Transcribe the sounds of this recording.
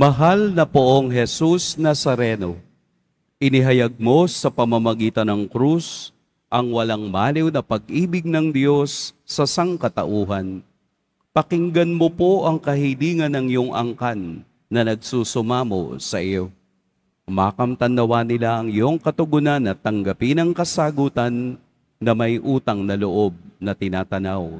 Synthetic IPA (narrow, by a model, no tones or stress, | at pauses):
mɐɦalnɐpoʔoŋɦɛsusnɐsɐɾɛno̞ | ʔɪnɪɦɐjɐɡ̚mo̞sɐpɐmamɐɡiːt̪ɐnɐŋkɾus | ʔɐŋwɐlaŋmaːlɪwnɐpɐɡ̚ʔiːbɪɡ̚nɐŋd̪jo̞sːɐsaŋkɐt̪ɐ̰ʔuːɦɐn | pɐkɪŋɡɐnmopo̞ʔɐŋkɐhiliːŋɐnːɐŋjoŋʔɐ̰ŋkanː | ɐnɐɡ̚suːsʊmaːmo̞̰sɐʔɪjo̞ | maːkɐmt̪ɐnd̪ɐwanɪlaʔɐŋjoŋkɐt̪ʊɡʊnanːɐt̪ɐŋɡɐpɪnɐŋkɐsaɡuːt̪ɐnː | ɐmɐjʔuːt̪ɐŋnɐloʔo̞b̚nɐt̪ɪnaːt̪ɐnaw